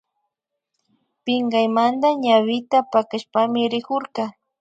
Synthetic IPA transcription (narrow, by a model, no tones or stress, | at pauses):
pɪŋɡajmand̪aɲawɪt̪apakaʃpamɪɾɪkʊɾkɑ